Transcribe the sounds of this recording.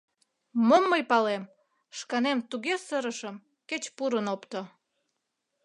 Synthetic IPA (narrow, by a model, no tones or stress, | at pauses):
momːəjpɑlem | ʃkɑnemt̪uɣesəɾəʃəm | ket͡ɕpuɾənopt̪o